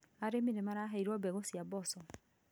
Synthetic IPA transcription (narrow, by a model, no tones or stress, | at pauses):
aɾeminɛmaɾaɦaiɾɔbɛɣosiabɔsɔ